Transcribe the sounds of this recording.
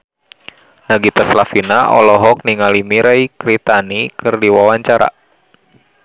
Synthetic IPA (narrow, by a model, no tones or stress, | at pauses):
naɡit̪aslafinaʔɔ̰lɔɦɔk̚niŋalimiɾɛikɾit̪anikɨrdiwawaɲt͡ʃaɾa̰